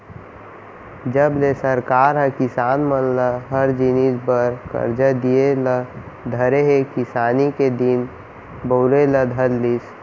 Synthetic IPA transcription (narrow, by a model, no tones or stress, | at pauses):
d͡ʒəblesəɾkaɾɦə̃kisanmənləɦəɾd͡ʒinid͡ʒbəɾkə̰ɾd͡ʒəd̪ielə | d̪ʱəɾeɦekisaniked̪in | boʊleləd̪ʱəllis